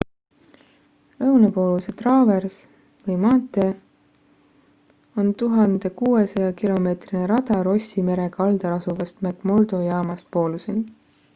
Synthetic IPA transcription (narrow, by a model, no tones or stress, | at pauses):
lɤwnɑpo̞ːluse̞t̪rɑːve̞rs | vɤjmɑːt̪ˑːe̞ | o̞nt̪uɦɑnd̪̥e̞kuːesɑjɑkilo̞me̞ːt̪rineɾɑd̪̥ɑɾo̞sʲime̞ɾe̞kɑld̪̥ɑɾɑsuvɑst̪meɡmo̞ld̪̥o̞jɑːmɑspo̞ːluse̞ni